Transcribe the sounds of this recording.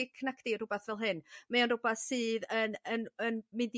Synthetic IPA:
ikʰnakʰd̥irʊbɛθvɛlˠɦɨnmaɔnrʊbaθsɨːðənənənmɨnd

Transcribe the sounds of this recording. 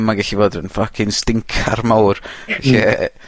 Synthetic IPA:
maɡɛɬivoːdənfakʰɪnstɪŋkʰarmawrɛɬɛɛ

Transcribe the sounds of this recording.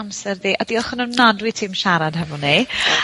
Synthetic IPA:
amsɛrðiːʔadiɔχʊnunnadwitʰiːmʃaɾad̥ɦɛvɔni

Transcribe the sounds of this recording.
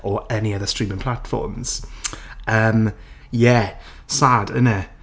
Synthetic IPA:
ɔɛniəðəstɹ̥iːmɪ̃ŋpʰl̥atfɔ̰ːmz̥ | əːm | jɛ | saːdə̰nə

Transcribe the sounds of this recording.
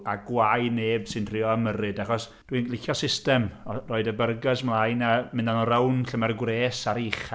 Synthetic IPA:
aɡwajneːb̥sɨntʰrɪːɔəmərɨdaχɔs | d̥winlɪxjɔsɪstɛmɔroːɨdəbərɡəsmlˠajnamɪndanɔɾɛwnɬəmɛrɡwreːsaɾiχ

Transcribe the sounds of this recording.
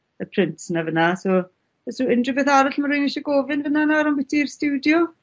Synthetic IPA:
əpʰrɪntʰnavənaso | ɛsuɪndrɪbɛθaɾaɬmaɾʊjniʃɔɡovɪnvənanaɾanbɛtʰirstuwdjɔ

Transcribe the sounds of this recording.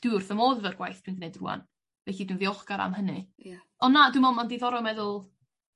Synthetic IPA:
d̥ɪʊrθəmoːðvərɡ̥wajθd̥winɡənedrṵa̰n | vɛɬidwinviɔχɡ̥aɾa̰mhənɨ | ɔnːadwɨmɔmɔndiðɔɾɔmɛðʊlˠ

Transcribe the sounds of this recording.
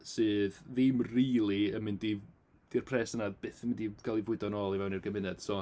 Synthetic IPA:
sɨːðvimriːlˠiəmɪndi | d̥irpʰrɛːsənab̥eːθəmɪndiɡ̥alˠivʊɨdɔnɔlˠivɛwnirɡəmɪnɛd̥sɔ

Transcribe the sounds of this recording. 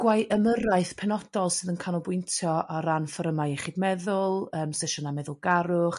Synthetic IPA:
ɡ̥wajʔəməɾaɨθpʰɛnɔdɔlˠsɨðənkʰanɔbʊjntʰjɔʔaɾanfəɾəmajɛχiːdmɛðʊlˠəːmsɛʃɔnamɛðʊlˠɡaɾʊχ

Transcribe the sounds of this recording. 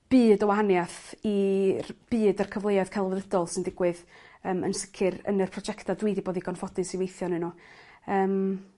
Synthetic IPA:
b̥ɨːdəwahanjaθirb̥ɨːdərkʰəvlˠejaðkʰalˠvɛðədɔlˠsɪndɪɡ̥wɨðəːmə̰nsəkʰɪɾə̰nɨrpʰrɔd͡ʒɛktʰadwiːdiboːðiɡɔnfɔdɨsiwejθjɔnɨnu | əːm

